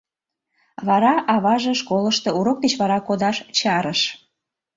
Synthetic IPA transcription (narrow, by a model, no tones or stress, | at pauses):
βɑɾɑʔɑβɑʒə̆ʃkoləʃt̪ŏuɾok̚d̪et͡ɕβɑɾɑkod̪ɑʃt͡ɕɑɾəʃ